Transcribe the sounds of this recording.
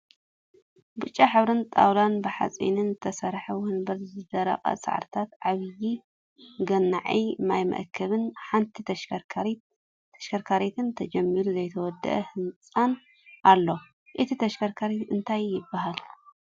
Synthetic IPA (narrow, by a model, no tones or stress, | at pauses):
bɨt͡ʃʼːaħɨβɾɨnt̪ʼa̰wlanbɨħa̰t͡sʼḭnɨnzɨt̪ʰɐsɐɾħɐwɔnbɐɾzɨd̪ɐɾa̰qʼa̰sʼa̰ʕ̰ɾt̪ʰat̪ʕaβɨji | ɡɐnːaʕijmajmɐ̰ʔkʰːɐβɨnħant̪ʰit̪ʰɐʃ | ɐʃkɐɾkʰaɾet̪ʰɨnt̪ʰɐd͡ʒɐmːiɾuzɐjt̪ʰɐwɔd̪ːɐ̰ʔɐhɨnt͡sʼan | ʔalːo̞ | ʔɨt̪ʰit̪ʰɐʃkʰɐɾkʰaɾit̪ɨnt̪ʰajːɪbːaɦal